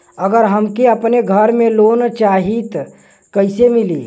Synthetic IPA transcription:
əɡəɾɦəmkeəpneɡʱəɾmẽloːnt͡ʃaːɦit̪ | kəɪsemiliː

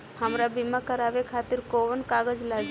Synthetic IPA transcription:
həmɾabimakəɾaːʋekʰaːt̪ɪɾkoːʋənkaːɡəd͡ʒlad͡ʒ

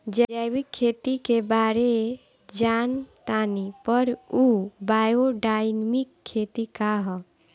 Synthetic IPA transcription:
d͡ʒd͡ʒajwikʰːet̪ikebaɾe | d͡ʒant̪anipəɾubajoɖajnmikʰːet̪ikaɦɔ

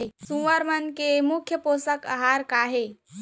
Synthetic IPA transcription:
esũʋəɾmənkemukʰjəposəkə̰ɦaɾkaːɦe

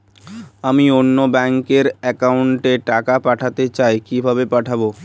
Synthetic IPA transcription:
amionːobɛŋkeɾɛkauɳʈeʈakapaʈʰat̪et͡ɕaekibʱabepaʈʰabo

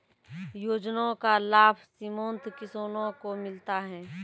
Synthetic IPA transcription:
joːd͡ʒnõkalaːbʱsɪmõːnt̪ʰkɪsoːnõkomɪlt̪aɦɛː

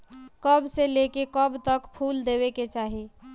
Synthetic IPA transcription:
kəbselekekəbt̪əkpʰuld̪eβeket͡ʃaɦi

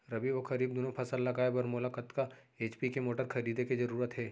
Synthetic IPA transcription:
ɾɐbiʋokʰɐɾiːb̚d̪oːnopʰɐsəlːɐɡaːebɐːɾmolakət̪ka | eːt͡ʃpikemoːʈəɾkʰɐɾiːd̪ekizɐɾuːɾət̪ɦɛː

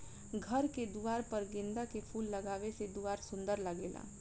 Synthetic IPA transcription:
ɡʱəɾked̪uaːɾpəɾɡɪ̃nd̪akepʰuːlːɐɡaːʋesed̪uaːɾsʊ̃nd̪əɾləɡeːla̰ː

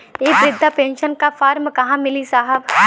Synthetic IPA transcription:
eːbɾɪd̪ʱːapẽːnʃənkafʰaːɾmkɐɦãmɪlisaːɦəb

